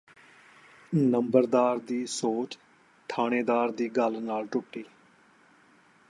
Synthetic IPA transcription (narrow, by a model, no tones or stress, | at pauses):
nəmbəɾd̪aːɾd̪iːsoːt͡ʃ | t̪ʰaːɽ̃eːd̪aːɾd̪iːɡəlnaːlʈʊʈːiː